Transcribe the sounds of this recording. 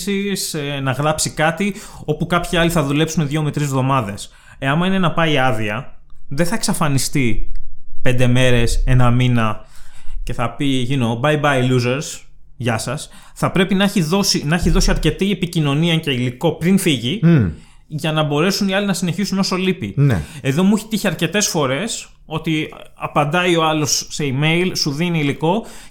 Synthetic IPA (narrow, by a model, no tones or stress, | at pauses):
sisnɐɣɾɐpsikɐt̪io̞pukɐpçiɐliθɐðule̞psuneðʝo̞met̪ɾizvðo̞mɐðe̞s | eɐmɐinenɐpɐiɐðiɐðeθɐe̞ksɐfɐnist̪i | pe̞nd̪e̞me̞ɾe̞se̞nɐminɐ | ce̞θɐpiʝino̞bɐjbɐjluzeɾs | ʝɐsɐs | θɐpɾe̞pinɐçiðo̞sinɐeçiðo̞siɐɾce̞t̪iepicino̞niɐce̞iliko̞pɾinfiʝi | ʝɐnɐbo̞ɾe̞suniɐlinɐsine̞çisuno̞so̞lipin̰eðo̞muçi̥t̪içiɐɾce̞t̪e̞sfo̞ɾe̞s | o̞t̪iɐpɐnd̪ɐio̞ɐlo̞sːe̞ime̞ijlsuðiniːliko̞